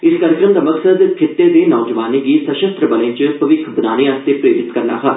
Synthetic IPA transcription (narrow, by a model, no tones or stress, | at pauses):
ɪskaːɾjəkɾəmd̪aːməksəd̪kʰɪt̪ːeːd̪eːnɔːd͡ʒʋaːniːɡiːsəʃəst̪ɾəbəlẽːt͡ʃəpəʋɪkʰbɪnaːñeːaːst̪eːpɾeːɾɪt̪kəɾna̰ːɦa̰ː